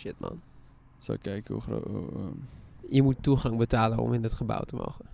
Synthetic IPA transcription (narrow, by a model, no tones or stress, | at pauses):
ʃɪt̚ma̰n | so̰kːɛjkəṵχro̰ | iəmutːuχaŋbətaːləɔ̰mɪndətχəba̰wtəmo̰wxə